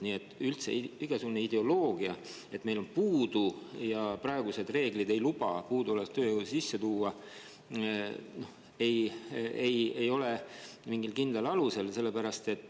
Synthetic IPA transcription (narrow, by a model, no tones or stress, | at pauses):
niet̪ːˑylt̪sḛiɡ̥esuneid̪̥e̞o̞lo̞ːɡ̥iɑ | e̞t̪me̞jlo̞npuːd̪̥ujɑprɑe̞ɡuse̞d̪̥re̞ːɡ̥lid̪e̞jlub̥ɑpuːd̪uolest̪øːjwsisːe̞t̪uːɑ | no̞h | e̞jejejo̞lemiŋɡilkind̪lelɑluse̞lse̞lːe̞pæɾɑst̪e̞t̪ːˑ